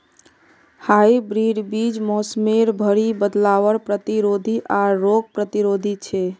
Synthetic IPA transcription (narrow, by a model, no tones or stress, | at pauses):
haibɾiɖbid͡ʒmɔsmeɾbʱəɾibəd̪laʋəɾpɾət̪iɾod̪ʱiʔaːoɡ̚pɾət̪iɾod̪ʱit͡ʃʰɛ